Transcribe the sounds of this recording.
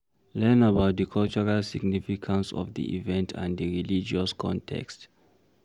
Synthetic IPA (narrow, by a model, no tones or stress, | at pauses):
lɛ̃nəbaʊt̚ðəkʰɔlt͡ʃɔɹalsiɡ̚nifikʰãnsɔ̰vðḭʔḭvɛ̃ntʰã̰nðəɹilid͡ʒɔskʰɔ̰̃ntʰɛ̰kst